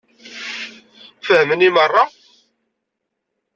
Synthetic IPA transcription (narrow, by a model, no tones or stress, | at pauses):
fəhmənimərˤːɑ